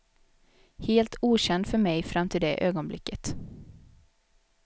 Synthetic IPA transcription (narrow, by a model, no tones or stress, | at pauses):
heːlt̪ʰuːɕɛnd̪fœɾmɛjfɾamːt̪ʰɪld̪ɛʔøːɡɔnblɪ̰kːət̪